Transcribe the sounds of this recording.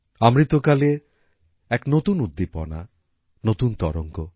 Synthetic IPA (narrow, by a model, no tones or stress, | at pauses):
amɾit̪okale | ɛknot̪unud̪ːipɔ̰na̰ | not̪unt̪ɔ̰ɾoŋko